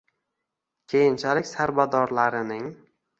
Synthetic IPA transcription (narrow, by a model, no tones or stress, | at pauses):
kʲʰejɪnt͡ʃʰalɪkʲsaɾbad̪ɒɾlaɾɪnɪŋ